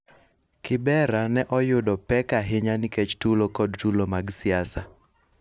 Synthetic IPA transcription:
kɪbɛɾanɛʔɔjʊdɔpɛkaɦɪɲanɪket͡ʃtulokɔdtulomaɡsɪasa

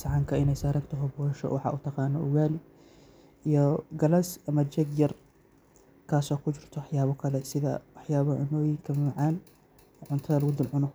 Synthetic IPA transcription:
sʕɑŋkʰɐɪnɛjsaːɾɐnt̪ʰɐɦɔbɔːɐʃɔ̰wɑħɑ̰ʔut̪ʰɐqɑːnɔʔʊɣaːlɪ | ʔijɔɡɐlɐsɐmɐt͡ʃɛɡjɐr | kʰaːsɔːkʰʊt͡ʃɪrt̪ʰɔwɑħjaːβɔkʰɐlɛsɪðɐ̰wɑħjaːβɐʕʊnɔːjɪŋkʰɐmɪmɑʕɑːnː | ʕʊnt̪ʰɐðɐlɐɣʊd̪ɪlʕʊnɔ

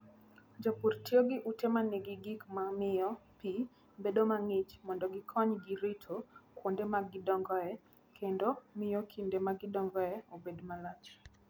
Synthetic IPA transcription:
d͡ʒopurtioɡɪʔutɛmanɛɡɪɡikmamɪɔpi | bedomaŋɪt͡ʃmɔndɔɡɪkʰɔɲɡiɾitʰokwondemaɡɪdɔŋɡɔɛ | kʰendomɪjɔkʰindemaɡɪdɔŋɡɔɛobedmalat͡ʃ

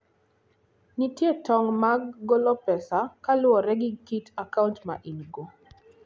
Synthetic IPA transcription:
nitjetɔŋmaɡːɔlɔpɛsakalʊɔɾɛɡɪkitakauntma̰ʔinɡo

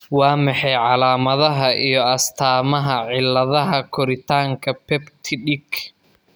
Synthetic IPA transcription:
wɑːmɑħɑjʕɑlaːmɐðɐɦɐʔijɞɐst̪ʰaːmɐɦɐʕɪlːɐðɐɦɐkʰɔɾɪt̪ʰaːŋkʰɐpʰɛbt̪ʰɪɖɪɡ

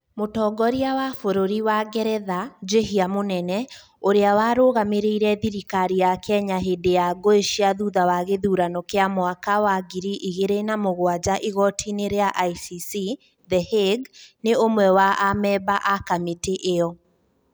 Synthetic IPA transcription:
motɔɡɔɾiawafoɾoɾiwaɡɛɾɛðad͡ʒeɦiamonɛnɛ | oɾeawaːɾoːɣameɾeiɾɛðiɾikaɾijakɛɲaɦedejaɡoeʃiaðuðawaɣeðuːɾanɔkeamowakawaɡiɾiʔiɣeɾenamoɣwad͡ʑaʔiɣɔtʰineɾeaʔaisisi | ðɛheɡneomwɛwaʔamɛbaʔakameteʔeɔ

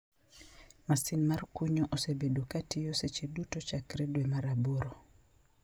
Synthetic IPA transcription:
masinmarkuɲoʔɔsebedokatijoset͡ʃedutot͡ʃakɾedwemaɾaboɾo

